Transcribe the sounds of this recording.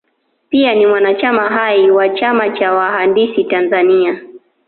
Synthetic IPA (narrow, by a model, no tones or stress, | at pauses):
pianimwanat͡ʃamaɦaiwat͡ʃamat͡ʃawahandisitanzania